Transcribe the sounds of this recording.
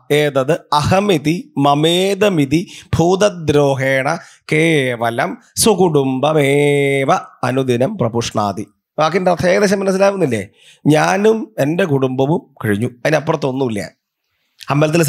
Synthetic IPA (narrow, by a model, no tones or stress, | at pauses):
eːðɐðɨɐhɐmid̪imɐmeːd̪ɐmid̪ibʱuːd̪ɐd̪ɾoːɦeːɳɐ | keːʋɐlɐm | sukuɽumbɐmeːʋɐɐnud̪ʱinɐmprɐpuʂɳa̰ːd̪i | ʋaːk̬ːindeɐt̪ʰːeːɡɐðeɕ̬ɐmːɐnɐs̬ːilaːʋunːilːḛː | ɲaːnume̞nde̞kuɽumbɐʋumkɐɻiɲːuɐðinɐpːoɽt̪ːo̞nːuilːɐjɐ̰ | hɐmbelɐt̪̬ːils